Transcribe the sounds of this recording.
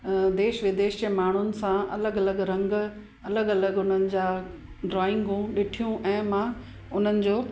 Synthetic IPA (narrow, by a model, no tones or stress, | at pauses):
d̪eːʃʋɪd̪eːʃd͡ʑeːmaːɳ̤ʊnɪ̆sãɐ̰ləɡɐləɡɾɐ̃ŋɡ | ɐləɡɐləɡʊn̤ənɪ̆d͡ʑaː | ɖɾɔːɪ̃ŋɡũɗɪʈʰijũʔɛ̃ːmã | ʊn̤ənɪ̆d͡ʑoː